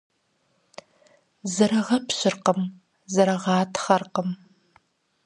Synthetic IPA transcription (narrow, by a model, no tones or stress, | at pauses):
zɐɾɐʁɐpʰɕɪrqəm | zɐɾɐʁɑːtʰχɐrqəm